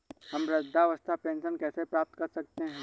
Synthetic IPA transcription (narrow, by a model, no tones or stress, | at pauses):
hɐmɾɪd̪ʱːaʋəst̪ʰapẽːnʃənkɛːsepɾaːp̚t̪kɐɾsɐk̚t̪eɦɛ̃ː